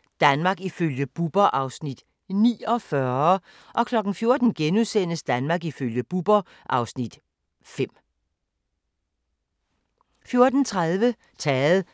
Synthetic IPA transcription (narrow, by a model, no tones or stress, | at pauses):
d̥ænmɑ̈ɡ̥iføljəb̥ub̥ɐʔɑ̈ʊsnid̥ | nḭːɒ̽fɶɐ | ʔɒ̽kʰlɒ̽ɡ̥n̩fjo̝ɐd̥n̩ɡ̥enuðˠsen̰əsd̥ænmɑ̈ːɡiføljəb̥ub̥ɐ | ʔɑ̈ʊsnid̥ | fem̰ | fjo̝ɐd̥n̩t͡sʰʁað̞ˠʋə | t͡sʰɛːð̩ˠ